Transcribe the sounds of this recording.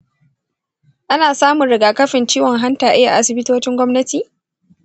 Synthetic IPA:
ʔa˦naː˨saː˦mʊ˨nɽɪ˨ɡaː˨kɐ˦ɸɪ˨nt͡ʃiː˦wɔ˨ŋɦa˦ntaː˨ʔɪ˦ja˨ʔa˦sɪ˨bɪ˦toː˦t͡ʃɪ˦ŋɡʷɔ˦mnɐ˦tiː˨

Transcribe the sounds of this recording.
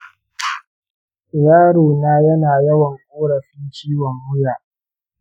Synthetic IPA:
jaː˦ɽoː˨naː˦jɐ˦naː˨jɐ˦wɐ˨ŋkʷʼoː˦ɽɐ˨ɸɪ˦nt͡ʃiː˦wɔ˨ŋhʊ˦jaː˨ʔ

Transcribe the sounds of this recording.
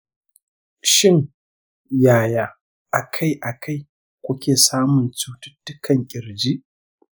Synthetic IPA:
ʃɪ˦ŋ | jaː˨jaː˨ | ʔa˨kʰa˦˨jʔa˨kʰa˦˨j | kʷʊ˦kʲeː˨saː˦mʊ˨nt͡ʃu˦tʊ̥˦tːʊ˦kɐ˨ŋkʲʼɪ˨ɾd͡ʒi˦ʔ

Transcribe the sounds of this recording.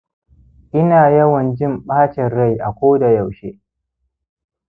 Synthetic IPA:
ʔɪ˦naː˨jɐ˦wɐ˨nd͡ʒɪ˦˨mɓaː˦t͡ʃɛ˨ɽa˦˨jʔa˨kʷoː˦da˨ja˨wʃeː˦

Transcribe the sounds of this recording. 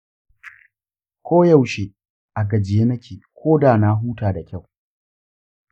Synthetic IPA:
kʷʰoː˦ja˦˨wʃeː˦ | ʔa˨ɡɐ˨d͡ʒɪ˨jeː˦nɐ˦kʲeː˨kʷʰoː˦daː˨na˦ɦuː˦taː˨da˨kʲa˦˨w

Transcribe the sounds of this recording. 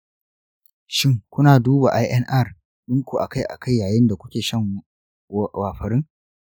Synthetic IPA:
ʃɪ˦ŋkʷʊ˦naː˨duː˦ba̰˨ʔa˦jʔɛ˦nʔɐ˦˨r | ɗʊ˦ŋkʷu˨ʔa˨ka˦˨jʔa̰˨kʰa˦˨jːaː˨jɪ˦nda˨kʷʊ̥˦kʲeː˨ʃɐ˦ŋ | waː˨ɸɐ˨ɾɪ˦ŋ

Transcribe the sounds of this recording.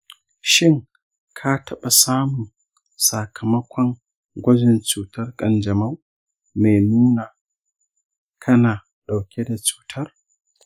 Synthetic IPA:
ʃɪ˦ŋ | kʰaː˦tʰɐ˦ɓa˨saː˦mʊ˨ŋ | sa˨kʰɐ˨mɐ˦kʷʰɔ˦ŋ | ɡʷɐ˦d͡ʒɪ˨nt͡ʃuː˨tɐ˦rkʼɐ˨nd͡ʒɐ˨ma˦w | me˨nuː˦naː˨ | kʰɐ˦naː˨ | ɗa˨wkʲe˦da˨t͡ʃu̥ː˨tʰɐ˦r

